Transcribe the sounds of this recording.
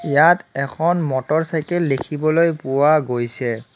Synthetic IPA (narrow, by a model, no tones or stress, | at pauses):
ijatɛkʰɔnmɔtɔɹsajkɛlːekʰibɔlojpʊwaɡojsɛ